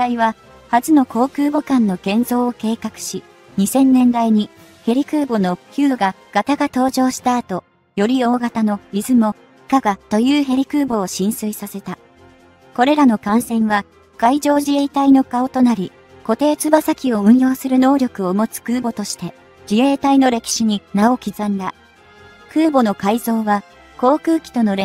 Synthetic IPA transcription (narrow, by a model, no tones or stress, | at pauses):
aiβ̞a | hazɨno̞ko̞ːkɯ̟ːbo̞kãnːo̞ɡẽ̞nzo̞ːke̞ːkakɯ̟̥ɕi | ɲ̟isẽ̞nːẽ̞nd̪aiɲ̟i | he̞ɾʲikɯ̟ːbo̞no̞çʲɨːɡa | ɡ̥at̪aɡat̪o̞ːʑo̞ːɕi̥t̪aːt̪o̞ | jo̞ɾʲio̞ːɡat̪ano̞izɨmo̞ | i̥kaɡat̪o̞jɯːɦe̞ɾʲikɯ̟ːbo̞ːɕĩɰ̃sɨisase̞t̪a | ko̞ɾe̞ɾano̞kãɰ̃sẽ̞ɰ̃βa | kaid͡ʑo̞ːʑie̞it̪aino̞kao̞t̪o̞naɾʲi | ko̞t̪e̞ːt͡sɨbasakʲio̞ɯ̟̃ɰ̃jo̞ːsɨɾɯ̟no̞ːɾʲo̞kɯ̟omo̞t͡sɨ̥kɯ̟ːbo̞t̪o̞ɕi̥t̪e̞ | d͡ʑie̞ːt̪aino̞ɾe̞kʲi̥ɕiɲ̟inaokʲizãnd̪a | kɯ̟ːbo̞no̞kaizo̞ːβa | ko̞ːkɯ̟ːkʲi̥t̪o̞no̞ɾe